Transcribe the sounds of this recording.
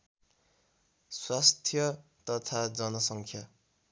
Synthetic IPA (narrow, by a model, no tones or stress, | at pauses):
swast̪ʰjʌt̪ʌt̪ʰad͡zʌnʌsʌŋkʰja